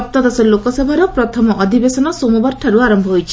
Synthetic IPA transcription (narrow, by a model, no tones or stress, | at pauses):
p̚t̪ɔd̪ɔsɔlokɔsɔbʱaɾɔpɾɔt̪ʰɔmɔʔɔd̪ʱibesɔnɔsomɔbɔɾʈʰaɾuaɾɔmbʱɔɦojt͡ʃʰi